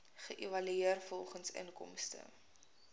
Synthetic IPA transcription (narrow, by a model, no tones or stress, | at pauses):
χəʔivɐlyiərfɔlˠχənsə̰nkɔ̰mstə̰